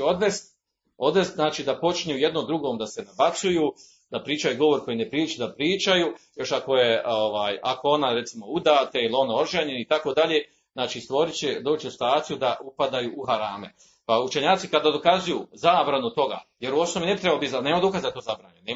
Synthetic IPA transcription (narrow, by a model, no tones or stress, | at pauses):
o̞d̪ʋest̪ | o̞d̪ʋe̞st̪znaːt͡ʃiːd̪apo̞t͡ʃɲuje̞d̪nomd̪ɾuɡo̞ːmd̪asenabat̪suju | d̪̥apɾiːt͡ʃajuɡo̞ʋo̞ɾko̞jinepɾiːlit͡ʃed̪apɾiːt͡ʃajuːjo̞ʃako̞je̞oʋaːjakoo̞naɾe̞t̪simoud̪aːt̪eilio̞nao̞ɾʒeɲenit̪ako̞d̪aʎe | znaːt͡ʃiːst̪ʋo̞ɾit͡ɕed̪o̞ːt͡ʃesi̥t̪aːt̪sijud̪aʔupad̪ajuʔuɦaɾaːmḛ | paut͡ʃe̞ɲaːt̪sikad̪ad̪o̞kazujuːzaːbɾanut̪o̞ɡa̰ːje̞ɾuo̞snomine̞bit̪ɾebalobizane̞ːmad̪o̞kazad̪at̪ozabɾa̰ːɲuneː